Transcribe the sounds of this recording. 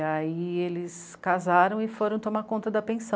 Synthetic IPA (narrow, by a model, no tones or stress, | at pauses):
aielɪs | kazaɾɐ̃w̃ɪfoɾɐ̃w̃t̪omakõnt̪ɐd̪ɐpẽsɐ̃